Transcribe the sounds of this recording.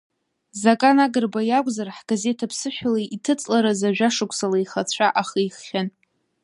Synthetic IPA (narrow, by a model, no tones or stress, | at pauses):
zakʼanaɡɨrbajakʷʼzarħɡ̥aze̞tʰapʰsɨħʷᶣalaʔitʰɨt͡sʼlaɾazaʒᶣaʂɨkʷʰsalajχat͡sʷʰaʔaχijχχʲan